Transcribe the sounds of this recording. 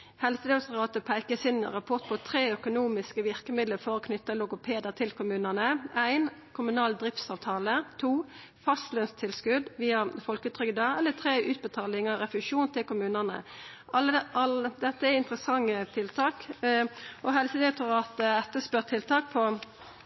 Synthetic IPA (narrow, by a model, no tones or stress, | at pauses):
hɛlsəd̪ɛʊt̪ʊʁɑːt̪əpʰæɪkəsɪnʁɑpʰɔʁt̪̚pʰɔt̪ʰɾeːœkʊnuːmɪskəʋɪʁkəmɪd̪ləɾfɔɾɔkʰnʏt̪ːəlʊɡʊpʰeːd̪əʁt̪ʰɪlkʰʊmʉːnənəæɪnkʰʊmʉnɑːld̪ʁɪft̪sɑːʋt̪ʰɑːlət̪ʰuː | fɑst̪lœnst̪ʰɪlskʉd̪ʋiːɑfɔlkʉt̪ʰʁʏɡd̪əɛlːət̪ʰɾeːʔʉːt̪̚bət̪ʰɑːlɪŋɑʁɛfʉʂuːnt̪ʰɪlkʊmʉːnənə̰ʔɑlɑld̪ɛt̪ːəɛɪnt̪ʁəsɑŋːət̪ʰɪlt̪ʰɑːk | ʔɔɦɛlsəd̪ɛʊt̪ʰʊʁɑːt̪əɛt̪ːəspœʁt̪ʰɪlt̪ʰɑːk̚pʰɔ